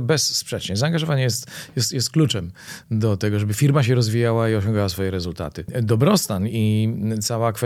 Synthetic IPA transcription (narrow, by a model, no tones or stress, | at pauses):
bɛsːpʂɛt͡ʂɲɛzaːŋɡaʐɔvaɲɛjɛst̪jɛst̪jɛst̪̚klut͡ʂɛmd̪ɔt̪ɛɡɔʐɛbɘfʲiɾmaɕ̬ɛɾɔzvʲijawaiɔɕɔ̃ŋɡawasfɔjɛɾɛzult̪a̰t̪ɘd̪ɔbɾɔst̪anit̪sawakfɛ